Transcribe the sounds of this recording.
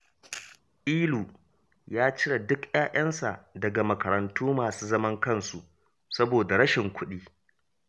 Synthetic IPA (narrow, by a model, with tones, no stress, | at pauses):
ʔiː˦luː˨ | jaː˦t͡ʃɪ˦ɽa˨dʊ˦kjaː˦ʔɐ˦nsa̰˨ʔdɐ˨ɡa˨mɐ˨kɐ˨ɾɐ˨ntʰuː˦maː˨suː˦zɐ˦mɐ˦ŋkɐ˦˨nsu˨ʔ | sɐ˦boː˨da˨ɾɐ˦ʃɪ˨ŋkʷʊ˦ɗiː˦